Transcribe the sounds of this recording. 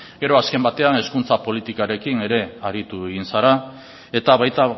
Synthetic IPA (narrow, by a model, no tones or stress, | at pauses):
ɡe̞ɾo̞aske̞mbat̪e̞ane̞skunt͡sapo̞lit̪ikaɾe̞kine̞ɾe̞aɾit̪ueɣinsaɾa | e̞t̪aβajt̪a